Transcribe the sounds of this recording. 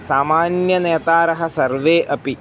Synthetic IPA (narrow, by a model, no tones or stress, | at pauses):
saːmaːnjɐneːt̪aːɾɐɦɐsɐrʋeːʔɐpi